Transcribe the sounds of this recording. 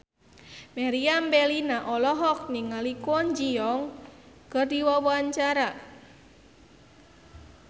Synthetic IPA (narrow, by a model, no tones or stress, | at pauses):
meɾiambɛlinaʔɔlɔɦɔk̚niŋalikɔnd͡ʒiɔŋ | kərdiwɔwɔaɲt͡ʃaɾa